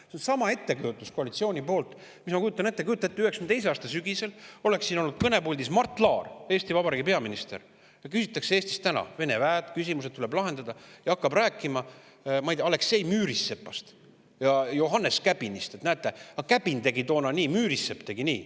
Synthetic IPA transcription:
sensɑmɑe̞t̪ːe̞kujut̪ːˑusko̞ɑlit̪sio̞ːnʲipo̞ːlt̪ˑ | mismɑkujut̪ɑne̞t̪ːe̞kujut̪ːɑet̪ːˑyesmnt̪ejs̬eɑːst̪ɑsyɡ̥ise̞lo̞le̞ksːiːno̞lːnːud̪̥̚kɤne̞pulʲd̪ismɑrt̪ːˑlɑːre̞ːst̪ivɑbɑɾiːɡipe̞ɑminist̪e̞̰r | jɑkysit̪ːˑɑkseeːst̪i̥st̪ænɑ̰ve̞ne̞væːt̪kys̬ʲimuset̪̚t̪ːule̞blɑɦe̞nd̪̥ɑd̪̥ɑjɑɑkːɑbræːkːˑimɑ | mɑijd̪ɑle̞kse̞jmyːɾisːe̞pːˑɑst̪ | jɑjo̞ɦɑnːe̞skæb̥inist̪et̪næet̪ːˑe̞ɑkæb̥int̪e̞ɡit̪o̞ːnɑniːmyːɾisːe̞pt̪e̞ɡinḭː

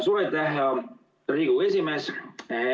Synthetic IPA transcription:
suvet̪læɦjɑ | riːɡ̥ue̞sʲimes

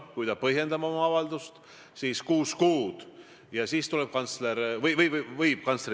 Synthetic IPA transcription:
kujd̪̥ɑpɤɦje̞nd̪ɑmɑomɑɑvɑld̪ust̪ | siːskuːskuːd̪̥ | jɑsiːst̪ulɛb̥̚kɑnt̪sleɾvɤjvɤjvvɤjb̥̚kɑnsɾ

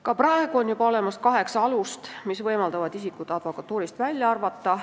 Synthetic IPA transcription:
kɑprɑe̞ɡ̥uo̞njub̥ɑo̞le̞mɑskɑɦe̞ksɑɑlust̪misvɤjmɑld̪ɑvɑd̪̥isikːˑut̪ːɑd̪̥vo̞kːɑt̪ːˑuːɾist̪vælʲjɑɑrvɑt̪ːɑ

